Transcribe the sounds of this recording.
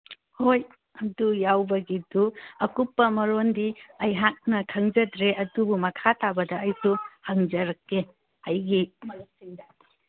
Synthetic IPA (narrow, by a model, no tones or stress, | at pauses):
hoj | ɐdujawbɐɡiduɐkupːɐmɐɾondiɐjɦak̚nɐkʰɐŋd͡ʒɐdɾeʔɐdubumɐkʰatʰabɐdɐːjsuhɐŋd͡ʒɐɾɐkːe | ɐjɡimɐɾɐk̚siŋda